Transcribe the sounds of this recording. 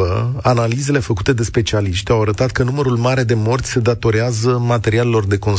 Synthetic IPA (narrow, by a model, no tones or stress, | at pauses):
əanalize̞le̞fəkut̪e̞d̪e̞spe̞t͡ʃialiʃt̪ʲawaɾət̪at̪kənuməɾulmaɾe̞d̪e̞mo̞rt̪sʲse̞d̪at̪o̞ɾeazəmat̪e̞ɾiale̞lo̞rd̪e̞ko̞n